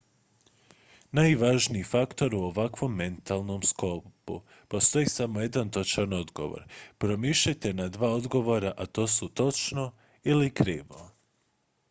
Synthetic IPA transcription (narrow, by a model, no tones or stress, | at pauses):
najʋaʒniifakt̪o̞ɾuo̞ʋakʋo̞mːe̞nt̪alˠno̞mskopṵ | po̞st̪o̞jisamoje̞d̪ant̪ot͡ʃano̞d̪ɡo̞̰ʋo̰ɾpɾo̞miʃajt̪e̞nad̪ʋaːo̞d̪ɡo̞ʋo̞ɾaʔat̪o̞ːsut̪o̞t͡ʃno̞ | ilikɾiːʋo̞